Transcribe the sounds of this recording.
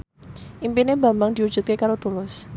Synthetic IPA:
ʔimpinebambaŋd̪iud͡ʒut̪̚kekaɾot̪ulʊs

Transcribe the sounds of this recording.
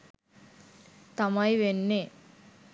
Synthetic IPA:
t̪amɐjʋenːe

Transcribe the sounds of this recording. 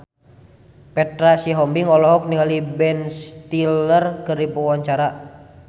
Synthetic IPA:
pɛt̪ɾasiɦɔmbiŋɔlɔɦɔk̚niŋalibɛnst̪ilərkɨrdipəwaɲt͡ʃaɾa

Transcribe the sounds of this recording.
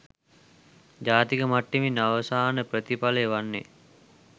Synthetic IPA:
d͡ʒaːt̪ikəmaʈːiminːaʋəsaːnəpɾət̪ipaleʋanːḛ

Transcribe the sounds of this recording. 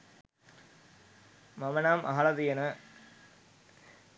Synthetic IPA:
mɐmɐnaːmʔɐɦɐɭɐðijɐnɐ

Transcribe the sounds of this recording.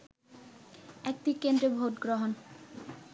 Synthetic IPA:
ɛk̚tikend̪ɾebʱotɡɾoɦon

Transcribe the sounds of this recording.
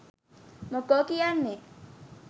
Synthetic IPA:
mokɔkijanːe

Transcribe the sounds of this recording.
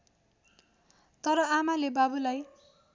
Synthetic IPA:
t̪ʌɾʌamalebabulaj

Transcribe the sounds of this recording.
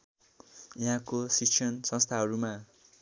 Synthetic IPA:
jiɦãkosikt͡ʃʰʌnsʌ̃st̪ʰaɦʌɾuma

